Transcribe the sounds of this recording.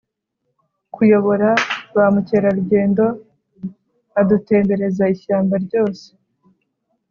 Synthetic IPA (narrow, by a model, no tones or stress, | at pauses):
kʰujo̞βo̞ɾaβamuce̞ːɾaɾuɟe̞ːndo̞ | adute̞ːmbe̞ɾe̞zaiʃaːmbaɾɟo̞ːse̥